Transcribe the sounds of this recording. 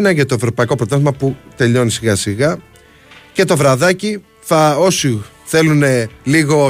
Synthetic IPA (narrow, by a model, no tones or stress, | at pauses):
nɐʝɐt̪o̞e̞vɾo̞pɐiko̞pɾo̞t̪ɐzizmɐput̪e̞ʎo̞nisiɣɐsiɣɐ | ce̞t̪o̞vɾɐðɐci | θɐosi | θe̞lune̞liɣo̞